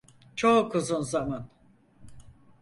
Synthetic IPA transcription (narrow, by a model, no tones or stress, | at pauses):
t͡ʃʰokʰɯzunzaman